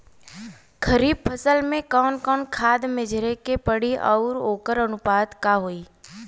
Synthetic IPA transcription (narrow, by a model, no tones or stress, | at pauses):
kʰəɾiːb̚pʰəsəlmẽkɔːnkɔːnkʰaːd̪mɪd͡ʒʱɾekepəɽiʔɔːɾoːkəɾənʊpaːd̪kaɦoːiː